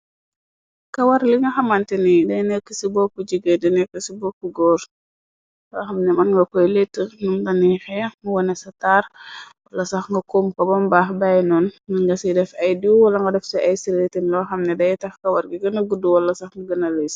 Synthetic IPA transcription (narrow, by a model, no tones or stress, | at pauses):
kɐwɐɾliŋɡɐxɐmɐntɛnidɐjnɛkːəsibɔkuɟəɡedɐnɛkːəsibɔkːuɡɔːɾ | lɔːxɐmnɛmɐnŋɡɐkɔjletːənumdɐnixɛmuwɐnɛsɐtaːɾwɐlːɐsɐxŋɡɐkoːmkɐbɔmbaːxbajnɔːnmɐŋɡɐsidɛfɐjdiwwɐlɐŋɡɐdɛfsɛʔɐjsiɾetinlɔːxɐmnɛdɐjtɐxkɐwɐɾɡiɡɐnɐɡuduwɐlːɐsɐxŋɡɐɡɐnɐlis